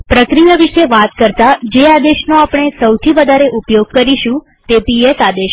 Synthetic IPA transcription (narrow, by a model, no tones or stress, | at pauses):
pɾəkɾijaʋiʃeʋat̪kəɾt̪ad͡ʒead̪eʃnoapɳ̃esəwt̪ʰiʋəd̪ʱaɾeʔupjoɡ̚kəɾiʃũ | t̪epiesad̪eʃ